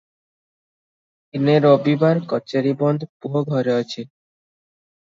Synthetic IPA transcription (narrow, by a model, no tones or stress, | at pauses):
ineɾobibaɾkɔt͡ɕeɾibɔnd̪ʱpuɦoɡʱɔɾeɔt͡ɕʰe